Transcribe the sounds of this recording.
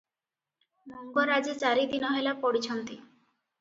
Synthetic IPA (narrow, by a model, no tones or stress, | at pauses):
mɔŋɡoɾad͡ʑit͡ɕaɾid̪inɔɦelapɔɾit͡ɕʰɔnt̪i